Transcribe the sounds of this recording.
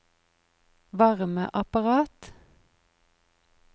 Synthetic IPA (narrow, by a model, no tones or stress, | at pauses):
ʋɑʁmə̰ʔɑpɑʁɑːt̪